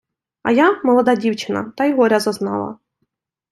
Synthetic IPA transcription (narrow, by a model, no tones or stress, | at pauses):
ɐ̰jamɔlˠɔd̪ɑdʲiwt͡ʃɪnɐ̰t̪ɐjɦɔɾʲɐzɐznɑ̰lˠɐ̰